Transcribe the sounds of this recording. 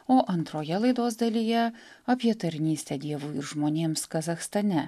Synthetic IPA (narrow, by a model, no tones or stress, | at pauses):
oːʔɐnt̪ɾoːjɛlˠɐɪd̪oːzd̪ɐlʲijɛ | ɐpʲiɛt̪ɐɾʲnʲiːsʲt̪ʲɛd̪ʲiɛʋuɪɾʒmoːnʲeːmskɐzɐxst̪ɐnʲɛ